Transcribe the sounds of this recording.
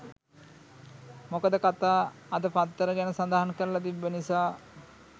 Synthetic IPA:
mokəd̪əkat̪aːɐd̪əpat̪ːəɾəɡɛnəsad̪aɦankəɾəlɐt̪̬ibːənisaː

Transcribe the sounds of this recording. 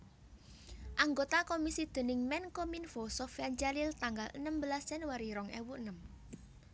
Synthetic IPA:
ʔaŋɡot̪akomisid̪̥e̤nɪŋmɛnkominfosɔfjant͡ʃalilt̪aŋɡalənəmbəlasɛnwaɾiɾɔŋɛ̰wuənəm

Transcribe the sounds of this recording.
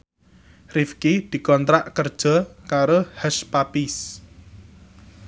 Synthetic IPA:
rifkid̪̥i̤kɔnt̪ɾaʔkərd̥ʒ̥ɔ̤kaɾohəʃpapis

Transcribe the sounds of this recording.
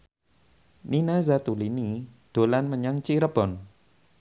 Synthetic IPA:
ninazat̪ulinid̪̥o̤lanməɲaŋt͡ʃiɾəb̥ɔn

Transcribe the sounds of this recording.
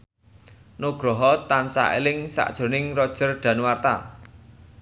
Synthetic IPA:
noɡ̥ɾɔɦɔt̪ansa̰ʔḛlɪŋsa̰ʔd̥ʒ̥o̤nɪŋrɔd̥ʒ̥ə̤rɖ̥ä̤nwart̪a̰

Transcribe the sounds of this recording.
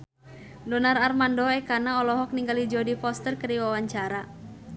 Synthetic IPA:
dɔnararmandɔɛkanaɔlɔɦɔk̚niŋɡalid͡ʒɔdifɔst̪ərkəɾiwawaɲt͡ʃaɾa

